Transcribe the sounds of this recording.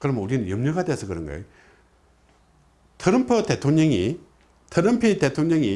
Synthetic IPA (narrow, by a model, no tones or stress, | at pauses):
kɯɾəmuɾinənjəmɲəɡat̪esʰəkɯɾə̰nɡa̰j | t̪ʰəɾəmpʰot̪et̪ʰoŋɲaŋi | t̪ʰəɾəmpʰit̪et̪ʰoŋɲaŋi